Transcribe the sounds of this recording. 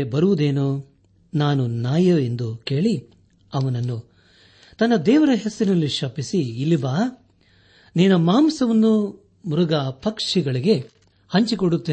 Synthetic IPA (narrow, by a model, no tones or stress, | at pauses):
bɐɾuʋud̪e̞ːnu | naːnunaːjɐe̞nd̪uke̞ːɭi | ɐʋɐnɐnːu | t̪ɐnːɐd̪ɛːʋɐɾɐɦesɐinɐlːiʃɐpisiːlːibaː | niːnɐmaːmsɐʋɐnːu | muɾuɡɐpɐkʂiɡɐɭiɡe̞ | hɐɲt͡ʃikoɽut̪ːeː